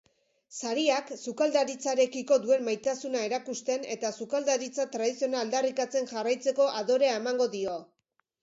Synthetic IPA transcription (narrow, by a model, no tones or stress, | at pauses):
saɾiaksukald̪aɾit͡saɾe̞kiko̞d̪ue̞mmajt̪asunae̞ɾakust̪e̞ne̞t̪asukald̪aɾit͡sat̪ɾaðisio̞naːld̪arikat͡se̞nʝarajt͡se̞ko̞ʔaðo̞ɾe̞aemaŋɡo̞ðio̞